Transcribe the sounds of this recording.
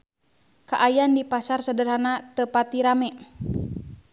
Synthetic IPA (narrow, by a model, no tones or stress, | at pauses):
kaʔajandipasarsədərɦanat̪əpat̪iɾamɛ